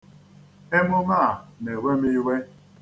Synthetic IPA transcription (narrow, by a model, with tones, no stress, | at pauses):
e˦mʊ˦ma˦˨ne˨we˦mi˦we˦